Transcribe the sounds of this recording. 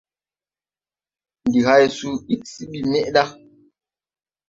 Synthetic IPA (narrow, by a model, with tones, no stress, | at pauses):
n˨di˨ha˦jsu˦i˦ʔ̚si˦ɓi˦˨mɛ˦ʔɗa˦